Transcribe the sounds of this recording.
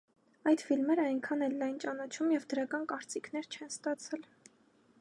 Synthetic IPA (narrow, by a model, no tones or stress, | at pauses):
ɑjt̪filmɛɾəɑjŋkʰɑnɛlːɑjnt͡ʃɑnɑt͡ʃʰumjɛvd̪əɾɑkɑnkɑɾt͡sikʰn̪ɛɾt͡ʃʰɛnst̪ɑt͡sʰɛl